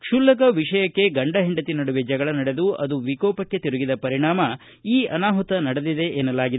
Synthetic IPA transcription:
kʂulːɐk̬ɐʋiʂɐjɐkːe̞ɡɐɳɖɐɦeɳɖɐt̪inɐɽuʋed͡ʒɐɡɐɭɐnɐɽe̞d̪uɐ̰d̪uʋikɔːpɐkːe̞t̪iɾuɡid̪ɐpɐɾiɳaːmɐ | iːɐnaːɦut̪ɐnɐɽɐd̪id̪e̞ʔeːnɐlːaːɡid̪

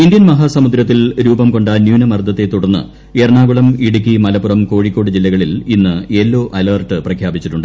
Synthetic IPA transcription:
ind̪jɐnmɐɦasɐmud̪ɾɐt̪̬ːilɾuːbɐmko̞ɳɖaːnjuːnɐmɐrd̪ʱɐt̪ːe̞t̪ːuɽɐnːɨ̰ | erɳaːɡuɭɐmiɽukʲːimɐlɐpːurɐmko̞ːɻikʲːo̞ːɽɨd͡ʑilːɐɣɐɭilinːɨelːo̞ːʔɐlɐːrʈːɨprɐkʰjaːbit͡ɕːiʈːuɳɖɨ

